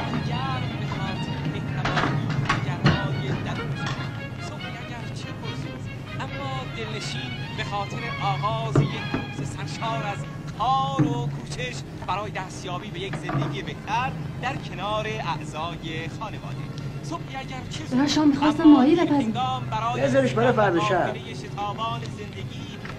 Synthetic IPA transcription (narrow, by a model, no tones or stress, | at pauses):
d̪iɟæɾbexɔːt̪ʰbeht̪ʰævɒːndeɟæɾdɒːjed̪ælonʃ | sobiæɟæɾt͡ʃʰepʰosus | ʔæmːɒːd̪e̞lne̞ʃiːn | bexɒːt̪ʰe̞ɾe̞ʔɒːɣɒːzjekusesæɾʃɒːɾæz | kʰɒːɾokʰuːt͡ʃʰeʃ | b̥æɾɒːjed̪æst̪jɒːbiːbejekze̞nd̪eɟiːjebeht̪ʰæɾd̪æɾcʰe̞nɒːɾe̞ʔæʔzɒːjexɒːne̞vɒ̰ːd̪ḛsobiæɟæɾt͡ʃʰeɾaʃmixɒːsst̪æmːɒːjiɾæpæzid̪ɑːmbæɾɒːjezeɾiʃbeɾefæɾd̪eʃæɾejeʃe̞t̪ʰɒːbɒːneze̞nd̪e̞ɡiː